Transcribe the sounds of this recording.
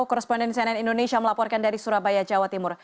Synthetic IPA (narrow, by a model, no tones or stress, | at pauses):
kɔɾɛspɔndɛnsiɛnɛnindonesiaməlapɔrkandaɾisuɾabajad͡ʒawat̪imʊr